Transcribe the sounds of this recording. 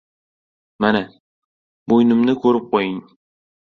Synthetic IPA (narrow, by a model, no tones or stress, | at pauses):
mana | bojnɪmnɪkʰɵɾɪp̚qʰojɪŋ